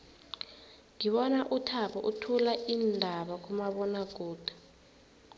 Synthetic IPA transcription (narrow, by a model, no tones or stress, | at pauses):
ŋiɓɔnaʔutʰaɓɔʔutʰulaʔindʱaɓak̬ʼumaɓɔnaɡ̥ʱoːd̥ʱu̥